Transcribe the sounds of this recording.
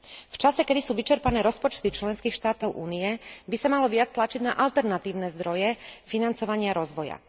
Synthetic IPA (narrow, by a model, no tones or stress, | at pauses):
ft͡ʃasɛkɛd̪isuːʋit͡ʃɛɾpanɛːɾɔspɔt͡ʃt̪it͡ʃlɛnskiːxʃt̪aːt̪ɔʊʔṵːniɛbisamalɔʋɪat͡st̪lat͡ʃiɟnaʔalt̪ɛɾnat̪iːʊnɛzd̪ɾɔjɛfinant͡sɔʋaɲɪaɾɔzʋɔja̰